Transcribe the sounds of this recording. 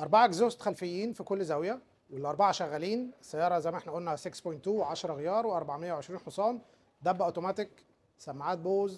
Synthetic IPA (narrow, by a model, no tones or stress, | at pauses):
ʔɑɾˤbaʕaɡzost̪xælfejːiːnfikolːzæwjæ | welːʔɑɾˤbaʕaʃæɣːæliːnsæjːɑːɾˤɑzæjmæʔeħnæʔolnæsekspojnt̪ːuːʕaʃɑɾˤɑɣejɑːɾˤweʔɑɾˤbaʕmejːæwʕeʃɾiːnħosˤɑːn | d̪æbːæʔot̪omæːt̪ek | sæmːaʕaːt̪̚boːz